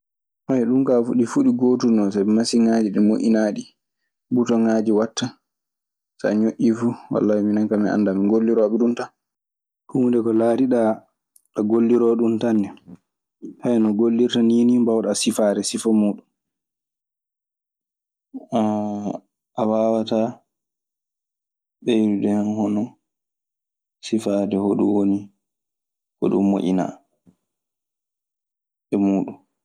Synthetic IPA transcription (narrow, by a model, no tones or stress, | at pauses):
hajɛɗumkafuɗifuɗiɡoːtunɔsabɛmasiŋad͡ʒiɗɛmoʔḭnaːɗi | butɔŋaːd͡ʒiwatːa | sa̰ɲoʔifuwa̰lːawiminaŋkamɛʔa̰ndamiŋɡolːiɾɔɓɛɗuntan | kumundɛkɔlaɾiɗa | ɗaɡolːiɾɔɗuntanːɛ | hajɛnɔɡolːiɾtaninimbawɗasifaɾɛsifamuːɗum | a | ʔawaːwata | ɓejɾudɛhanhɔnɔ | sifadɛhoɗṵwoni | kɔ̰ɗṵmːo̰ʔḭna̰ | ɛmuːɗum